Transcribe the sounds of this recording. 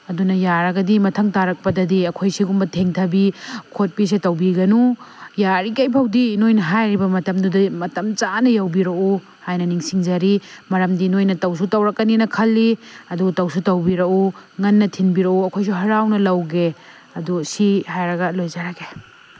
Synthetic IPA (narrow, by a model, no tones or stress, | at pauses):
ɐdunɐjaɾɐɡɐdimɐtʰɐŋtaɾɐk̚pɐdɐdiɐkʰojsiɡumbɐtʰeŋtʰɐbikʰot̚pis̬itɐwbiɡɐnujaɾikɐjpʰɐwdinojnɐɦajɾibɐmɐtɐmdudimɐtɐmt͡ʃanɐjɐwbiɾɐu | hajnɐniŋsiŋd͡ʒɐɾimɐɾɐmdinojnɐtɐwsutɐwɾɐkːɐninɐkʰɐlːiɐdutɐwsutɐwbiɾɐuŋɐnːɐtʰinbiɾɐuɐkʰojs̬uɦɐɾawnɐlɐwɡe | ɐdusihajɾɐɡɐlojzaɾɐɡe